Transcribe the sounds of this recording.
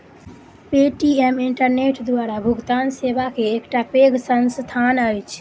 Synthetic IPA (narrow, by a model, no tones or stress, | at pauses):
peʈiɛmiɳʈəɾneʈd̪waɾabʱuɡt̪ansebakeːkʈapeɡsənst̪ʰanəjt͡ʃʰ